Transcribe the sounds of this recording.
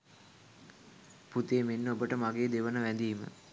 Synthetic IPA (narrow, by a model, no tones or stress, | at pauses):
put̪eːmenːəobəʈəmaɡeːd̪eʋənəʋænd̪iːmə̰